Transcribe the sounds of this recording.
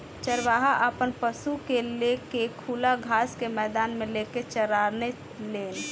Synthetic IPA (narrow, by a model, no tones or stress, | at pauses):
t͡ʃəɾʋaːɦaʔəpənpəsukelekekʰuːlaɡʱaːskemɛːd̪aːnmẽleːket͡ʃəɾaːɾne | leːn